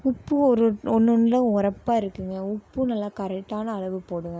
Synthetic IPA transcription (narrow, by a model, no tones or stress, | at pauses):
ʊpːɯɔɾɯɔnːɯnlɐʊɾɐpːaːɪɾɯkːɯŋɡɐʊpːɯnɐlːakɐɾɛkʈːaːnɐːɭɐʋɯpoːɽɯŋɡɐ